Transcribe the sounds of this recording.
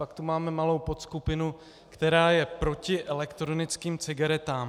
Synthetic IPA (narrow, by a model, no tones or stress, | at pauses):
pakt̪umaːmɛmalo̞wpo̞t̪skupɪnu | kt̪ɛɾaːjɛpɾo̞cɪʔɛlɛkt̪ɾo̞nɪt͡skiːmt͡sɪɡaɾɛt̪aːm